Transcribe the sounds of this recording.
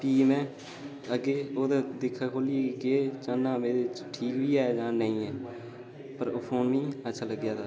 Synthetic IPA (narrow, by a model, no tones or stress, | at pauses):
piːmɛ̃ː | əɡeːoːd̪aːd̪ɪkʰːaːkʰoːlikeeːt͡ʃaːnãːmeːt͡ʃʈʰiːkbiːɛːd͡ʒãːnəĩːɛː | pəɾoːpʰoːnʋĩːətːʃʰaːləɡjaːt̪aː